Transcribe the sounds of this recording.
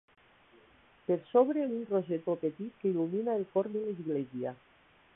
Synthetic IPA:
peɾsoβɾeunroʒet̪opet̪it̪keiluminaelkoɾd̪elizɣlezja

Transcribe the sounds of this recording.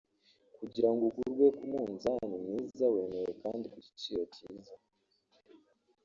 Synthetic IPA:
kuɟiɾaŋɡokuɾɡwe̞kumuːnzanimɲiːzawe̞ːneɾekaːndikuci̥t͡ʃijotiːza

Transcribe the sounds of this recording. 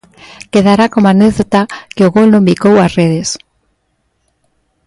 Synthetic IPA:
keðaɾakomaneɣðot̪akeoɣolnõmbikowasreðes

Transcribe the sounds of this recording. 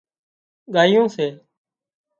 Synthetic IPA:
ɠaːijõːseː

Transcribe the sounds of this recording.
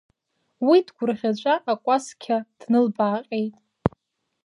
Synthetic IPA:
widɡʷʊrʁʲat͡ʃʷʼaʔakʷʼaskʲʰad̥nɨlbaːqʲʼe̞jtʼ

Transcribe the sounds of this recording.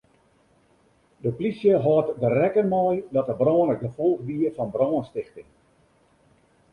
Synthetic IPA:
dəplisjəɦɔːtdərɛkənmɔjdɔtəbrɔːnək̚dəfolˠɣdiəfɔnbrɔːnstɪxtɪŋ

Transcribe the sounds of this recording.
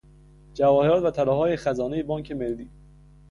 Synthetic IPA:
d͡ʒævɒːheɾɒːt̪væt̪ʰælɒːɦɒːjexæzɒːnejebɒːŋcʰe̞melːiː

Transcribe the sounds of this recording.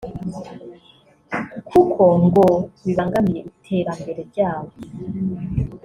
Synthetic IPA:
kʰukʰo̞ŋɡoβiβaːŋɡamije̞itʰe̞ːɾambe̞ɾe̞bɟaːwo

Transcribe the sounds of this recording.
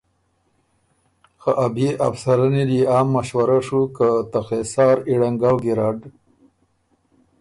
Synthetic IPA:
xaʔabea̰fsaɾaniliaːmːaʃwaɾaʂukat̪axesɑːɾiɽaŋɡawɡiɾɑɖ

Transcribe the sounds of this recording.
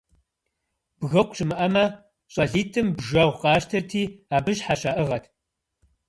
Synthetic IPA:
b̥ɣɐkʷʰʼɕʼɪmɨʔɐmɐ | ɕʼɐɮiːtʰɨmbʒɐwʷqɑːʃtʰɐrtʰiːaːbɨɕħaʃaːʔɨʁɐtʰ

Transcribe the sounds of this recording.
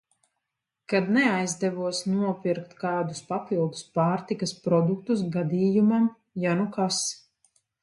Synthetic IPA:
kad̪nɛajzd̪ɛvuɔsnuɔpiɾkt̪kaːd̪uspapilˠd̪uspaːɾt̪ikaspɾɔd̪uk̚t̪us̬ɡad̪iːjumam | janukas

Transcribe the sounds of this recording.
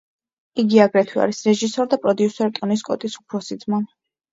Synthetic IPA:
iɡiaɡɾɛt̪ʰwia̰ɾisɾɛʒisɔɾd̪apʼɾɔd̪iusɛɾt̪ʼɔniskʼɔt̪ʼisupʰɾɔsid̪zman

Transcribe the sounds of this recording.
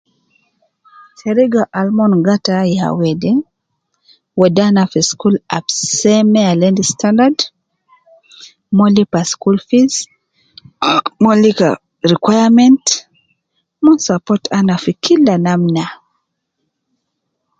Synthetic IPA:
seɾiɡaʔalmɔnɡataja̰wɛdɛ | wɛdanafiskula̰psɛmɛalɛndistʰandad | mɔlipaskulfis | mɔlika̰ | ɾikwajamɛnt | mɔnsapɔtʰanafikʰilːanamna

